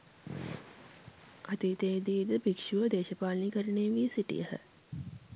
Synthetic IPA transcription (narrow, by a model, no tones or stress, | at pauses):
at̪it̪eːd̪iːd̪əbikʂuʋəd̪eːʃəpaːlnikəɾəneːʋiəsiʈḭjəhə̰